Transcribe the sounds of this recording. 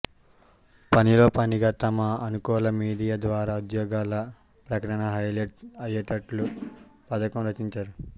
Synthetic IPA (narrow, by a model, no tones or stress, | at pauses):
pɐnilo̞ːpɐniɡaːt̪ɐmɐːnukɔːlɐmiːɽijaːd̪ʋaːɾaːud̪jɔːɡaːlɐ | pɾɐkɐʈɐɳɐɦɐjleʈɐjɐʈɐʈlupɐd̪ɐkɐmɾɐt͡ʃiɲt͡ʃaːɾu